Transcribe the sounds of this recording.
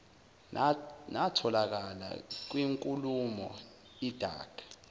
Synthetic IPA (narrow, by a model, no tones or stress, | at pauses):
natʰɔlak̬ala̰k̬wiŋkʼulumɔ | id̥ʱa̰ːɡ̥ʱḁ